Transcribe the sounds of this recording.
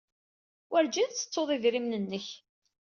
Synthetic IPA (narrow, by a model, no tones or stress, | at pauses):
wʔæɾd͡ʒiðt͡sːə̥t͡sːoðˤiðɾimnənːəç